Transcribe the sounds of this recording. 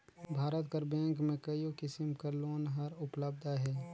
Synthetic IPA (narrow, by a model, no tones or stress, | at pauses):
bʱaːɾət̪kəɾbɛ̃ːŋkmẽkəiokɪsɪmkəɾloːnɦɐɾʊpləbd̪ʱaɦɛː